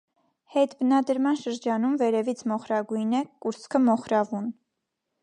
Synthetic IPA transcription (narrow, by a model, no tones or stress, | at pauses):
hɛt̪bənɑd̪əɾmɑnʃəɾd͡ʒɑnumvɛɾɛvit͡sʰmɔχɾɑɡujnɛkuɾt͡skʰəmɔχɾɑvun